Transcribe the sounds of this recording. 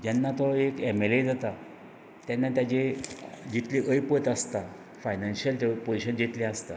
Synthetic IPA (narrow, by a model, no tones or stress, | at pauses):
d͡ʑanːat̪ɔekemeled͡zat̪a | t̪janːat̪jat͡ɕed͡ʑit̪liʔəjpət̪ast̪a | fajnãnɕəlt̪epoiɕənd͡ʑit̪least̪a